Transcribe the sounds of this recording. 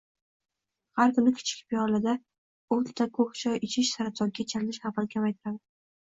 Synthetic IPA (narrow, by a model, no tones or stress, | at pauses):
haɾkʊnɪkʲʰɪ̥t͡ʃʰɪ̥k̚ʲpʰijɒɾlad̪a | ot̪t̪ʰːakʰoχt͡ʃʰɒjɪt͡ʃʰɪʃsaɾat̪ʰɒŋɡʲat͡ʃʰaɾlɪʃχaqankʲʰamajt̪ʰɪɾad̪ɪ